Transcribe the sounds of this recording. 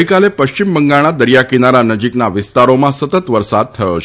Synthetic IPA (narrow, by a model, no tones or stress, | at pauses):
ikalepəɕt͡ɕimbəŋɡaɽ̃ad̪əɾjakinaɾanəd͡ʑiknaʋist̪aɾomãsət̪ət̪ʋəɾsad̪̚t̪ʰːəɭo̰t͡ɕʰ